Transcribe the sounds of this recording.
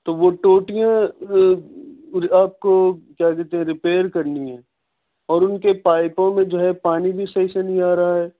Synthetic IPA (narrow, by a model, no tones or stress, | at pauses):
t̪oːʋoʈoːʈijã | aːp̚kokjaːkɛɾt̪eɦɛ̃ɾɪpeːɾkɐɾniɦɛ̃ː | ɔːɾʊnkepaːɪpõmẽd͡ʒoːɦɛpaːnibʱisɐɦisenĩaːɾɐɦaɦɛː